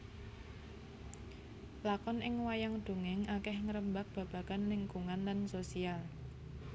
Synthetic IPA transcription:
lakɔnɪŋwajaŋd̪̥ṳŋɪŋakɛhŋəɾəmbak̚b̥a̤b̥a̤kanlɪŋkuŋanlansosial

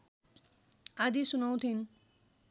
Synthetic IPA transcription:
ad͡ʑiʃunowt̪ʰin

